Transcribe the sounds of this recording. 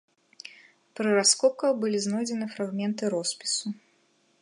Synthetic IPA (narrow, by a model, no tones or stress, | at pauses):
pɾɨraskɔp̚kɐɣbɨlʲiznɔjd͡zʲɛnɨfɾaɣmʲɛnt̪ɨɾɔspʲi̥su